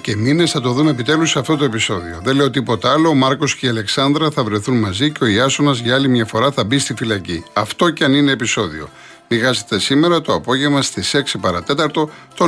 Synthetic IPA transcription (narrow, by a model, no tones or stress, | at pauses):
ce̞mine̞sθɐt̪o̞ðume̞pit̪e̞lusɐft̪ot̪o̞e̞piso̞ðio̞ðele̞o̞t̪̬ipo̞t̪ɐɐlo̞ːmɐɾko̞sceiɐle̞ksɐnd̪ɾɐθɐvɾe̞θunmɐziceo̞iɐsonɐzʝɐɐlimɲɐfo̞ɾɐθɐbist̪ifilɐciɐft̪o̞cɐnine̞ːpiso̞ðio̞̰ | niɣɐze̥t̪e̞sime̞ɾɐt̪o̞ɐpo̞ʝevmɐst̪ise̞ksipɐɾɐt̪e̞t̪ɐɾt̪o̞t̪o